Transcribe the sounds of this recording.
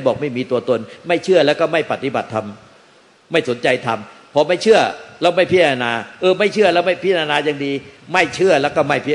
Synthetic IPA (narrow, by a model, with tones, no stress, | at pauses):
jbɔː˨˩k̚ma˥˩jmiː˧t̪u˧ɐt̪o˧nma˥˩jt͡ɕʰɯ˥˩ɐlɛː˦˥wkɔː˥˩ma˥˩jpa˨t̪ːi˧˦ba˨˩t̪ʰːa˧mː | a˥˩jso˩˦nt͡ɕa˧jt̪ʰa˧mpʰɔ˧ma˥˩jt͡ɕʰɯ˥˩ɐlɛː˦˥wma˥˩jpʰiː˦˥˩a˧naː˧ʔɤː˧ma˥˩jt͡ɕʰɯ˥˩ɐlɛː˦˥˩wma˥˩jpʰiː˦˥˩a˧naː˧jaː˧ŋdiː˧ma˥˩jt͡ɕʰɯ˥˩ɐlɛː˦˥wkɔː˥˩ma˥˩jpʰi˥˩